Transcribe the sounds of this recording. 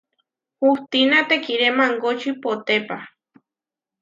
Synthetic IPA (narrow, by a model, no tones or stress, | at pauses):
huht̪inat̪ekiɾemaŋɡot͡ʃipot̪epa